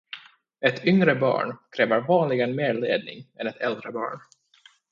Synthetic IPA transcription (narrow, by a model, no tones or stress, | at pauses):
ɛt̪ʰʏŋɾəbɑ̰ːɳkʰɾɛːvəɾvɑːnlɪɡənmeːɾlḛːd̪̚nɪ̰ŋɛnɛt̪ʰɛld̪ɾəbɑ̰ːɳ